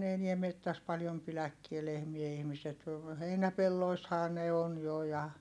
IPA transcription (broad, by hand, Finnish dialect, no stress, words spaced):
ne eniɛ metːæs pɑljom pilækːie lehmiæ ihmiset heinæpelːoishɑː ne on jo jɑ